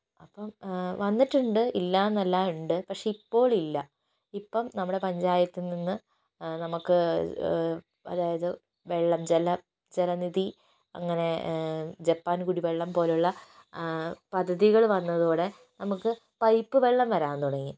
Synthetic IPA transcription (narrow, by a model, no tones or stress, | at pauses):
ɐpːɐmʋɐnːiʈːuɳɖɨilːaːenːɐlːaːuɳɖɨpɐkʂe̞ipːo̞ːɭilːɐ | ipːɐmnɐmːuɽe̞pɐɲd͡ʑaːjɐt̪ːilninːɨ | nɐmukːɨ | ɐ̰ðaːjɐðɨ | ʋe̞ɭːɐmd͡ʑelɐ | d͡ʑelɐniði | ɐ̰ŋːɐne̞ | d͡ʑepːaːnkuːɽiʋe̞ɭːɐmpo̞ːluɭːɐ | pɐd̪ʱːɐðiɣɐɭʋɐnːɐðoːɽe̞ | nɐmukːɨ | pɐjpːɨʋe̞ɭːɐmʋɐɾaːnt̪uɽɐŋːi